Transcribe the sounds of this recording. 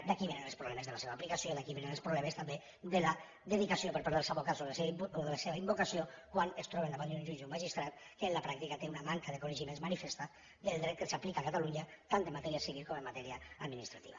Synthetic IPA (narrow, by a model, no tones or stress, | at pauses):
d̪akiβenənəlˠspɾuβlɛmezðəlaseβaːplikasjoðakiβenənəlˠspɾuβlɛmest̪ambe | ðəla | ðəðikasiopəɾpaɾðəlsaβokat̪solseoðəlaseβaimbukasiokwanest̪ɾɔβend̪aβand̪ũʒunʒumaʒist̪ɾat̪̚ | kəːnlapɾak̚t̪ikat̪eunamaŋkaðekunəʒimẽnzmanifest̪a | d̪əlˠd̪ɾɛt̪̚kəsaplikakat̪aluɲət̪ːant̪əmːat̪ɛɾiasiβilˠkoməmːat̪ɛɾiaad̪minist̪ɾat̪ḭβa